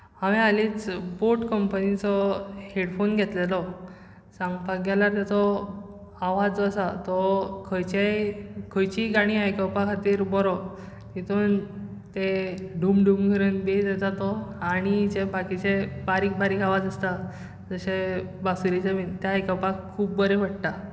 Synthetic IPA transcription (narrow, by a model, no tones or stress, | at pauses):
aʋẽalit͡sboʈkəmpənit͡sɔheɽfonɡʱet̪lelɔ | sãŋɡpaɡɛlat̪et͡sɔ | aʋad͡zəsat̪ɔkʰəjt͡ɕekʰəjt͡ɕiɡaɽ̃iajkəpakʰat̪iːɾbɔɾɔ | t̪it̪ʰuːnt̪eɖumɖumɡʱəɾəːnbed͡zed͡zat̪ɔaɽ̃id͡ʑebakit͡ɕebaɾik̚baɾikʰaʋad͡zəst̪a | d͡zəɕebasuɾit͡samit̪jaajkəpakʰːuːb̚bəɾeʋ̤əɽt̪a